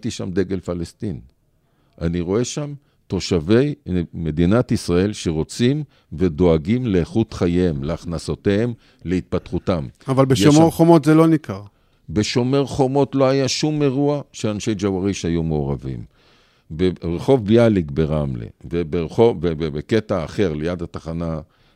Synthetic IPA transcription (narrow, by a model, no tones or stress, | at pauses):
t̪iʃamd̪e̞ɡelfalest̪in | ʔaniʁo̞e̞ʃam | t̪o̞ʃave̞jme̞d̪inat̪isʁae̞lʃeʁo̞t͡sim | ve̞d̪o̞aɡimleːχut̪χajemleaχnasot̪eem | le̞it̪̚pat̪χut̪amavalbejomeʁχomot̪zelo̞nikaʁ | be̞ʃo̞meʁχo̞mo̞t̪lo̞ajaʃumːe̞ʁuaʃeanʃejd͡ʒavaʁiʃajumeoʁavḭm | beʁeχo̞vbialiɡbeʁamlḛvebeʁeχoebebeketaːχe̞ʁlejad̪at̪aχana